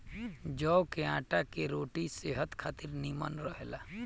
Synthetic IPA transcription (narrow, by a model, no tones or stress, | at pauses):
d͡ʒɔːwkeãːʈakeɾoːʈiseɦət̪kʰaːt̪ɪɾnimə̰nɾəɦelaː